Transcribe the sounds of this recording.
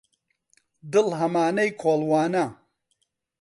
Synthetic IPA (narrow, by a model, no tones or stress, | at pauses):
d̪ɨlɦɐmaːnɐjkʰoːlˠwaːnɐ